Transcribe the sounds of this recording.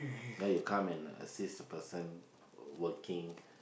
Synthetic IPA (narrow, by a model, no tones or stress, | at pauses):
najukʰãmɛ̃nə̰sistəpʰəsə̃n | wəkɪ̃ŋ